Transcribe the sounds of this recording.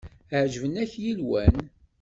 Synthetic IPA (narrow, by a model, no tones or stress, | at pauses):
ʕd͡ʒəvənæçjilwæn